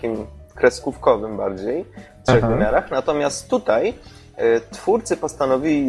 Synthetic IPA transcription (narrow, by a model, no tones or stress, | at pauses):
imkɾɛskufkɔvɘmbaɾd͡ʑej | t̪ʂɛɣvɘmʲjaɾaxnat̪ɔmʲjast̪ːut̪aj | t̪fuɾt̪sɘpɔst̪anɔvʲilʲi